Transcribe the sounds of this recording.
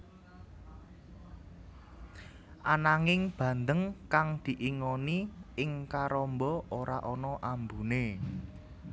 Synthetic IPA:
ʔanaŋɪŋb̥ä̤nd̪əŋkaŋd̪̥i̤ʔiŋɔniɪŋkaɾɔmbɔoɾaʔɔnɔʔambune

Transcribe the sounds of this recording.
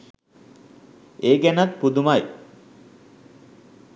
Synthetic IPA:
eːɡɛnat̪pud̪umaj

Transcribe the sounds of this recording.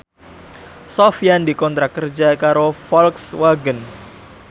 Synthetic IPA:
sɔfijandikɔnt̪ɾakərd͡ʒakaɾofɔlkswaɡən

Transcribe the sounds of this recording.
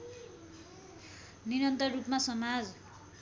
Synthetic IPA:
niɾʌnt̪ʌrrupmasʌmad͡z

